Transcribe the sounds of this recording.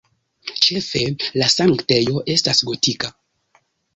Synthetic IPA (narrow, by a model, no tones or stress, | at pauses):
t͡ʃe̞fe̞lasaŋkte̞jo̞ʔe̞stasɡo̞tika